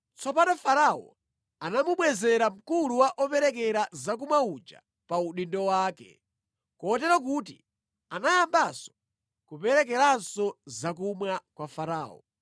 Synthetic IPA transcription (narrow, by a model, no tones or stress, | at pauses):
t͡sɔpanɔfaɾaɔ̰ | anamuɓwɛzɛɾam̩kuluwaʔɔpɛɾɛkɛɾazak̬umwaud͡ʒa̰ | pauɗindɔwaːkɛ̰ | kɔːtɛɾak̬uːt̬ḭ | anajambasɔ̥ | kupɛɾɛk̬ɛɾansɔzakumwakwafaɾaːɔ̰